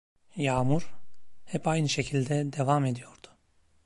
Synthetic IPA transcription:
jaːmuɾhɛpajnɯʃe̞cʰilʲd̪ɛd̪e̞vame̞d̪ijo̞ɾd̪̥ʊ̥

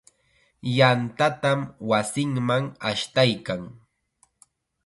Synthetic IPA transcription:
jant̪at̪amwasɪŋmaŋaʃt̪ajkaŋ

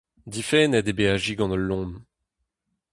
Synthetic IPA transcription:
d̪ifɛnɛd̪ebeaʒiɡɑ̃nəlːɔ̃ːm

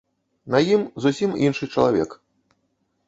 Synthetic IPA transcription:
nɐjimzusʲiminʂɨt͡ʂɐlˠavʲɛ̰k

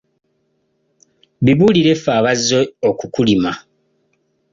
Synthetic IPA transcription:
βiβuːliɾefaːβazːeokukulima

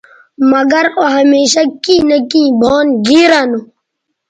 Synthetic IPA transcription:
mɐɡɐɾoɦɐmeːɕakĩːnɐkĩːbʱoːnɡiːɾanu

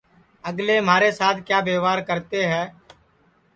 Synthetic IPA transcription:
əɡleːm̤aːɾeːsaːt̪ʰkjaːbeːʋaːɾkəɾt̪eːɦɛː

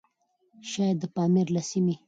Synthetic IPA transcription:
ʃɑjd̪əpɑmiɾlasimi

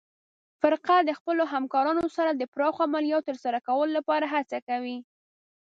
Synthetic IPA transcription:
fɪɾqad̪əxpəloɦamkɑɾɑnosaɾad̪əpɾɑxoamalijɑt̪ːəɾsaɾakawəlolapɑɾaɦat͡sakawi

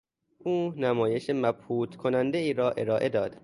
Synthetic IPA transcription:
ʔuːnæmɒːje̞ʃemæbhuːt̪ʰkʰonænd̪eiːɾɒːʔe̞ɾɒːʔe̞d̪ɒːd̪̥

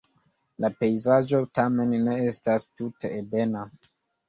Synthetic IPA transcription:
lape̞jzaʒo̞tame̞nːe̞estastute̞ːbena

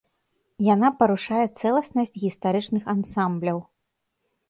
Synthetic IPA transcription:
janapɐɾuʂajɛt̪sɛlˠɐsnɐsʲt͡sʲɣʲist̪aɾɨt͡ʂnɨxansamblʲɐw

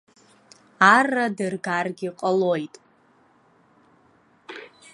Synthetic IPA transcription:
aradɨrɡarɡʲiqʼalo̞jtʼ

